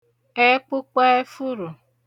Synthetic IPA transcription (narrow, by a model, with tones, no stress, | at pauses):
e˦k͡pʊ˦k͡pa˦e˦fu˦ɾu˨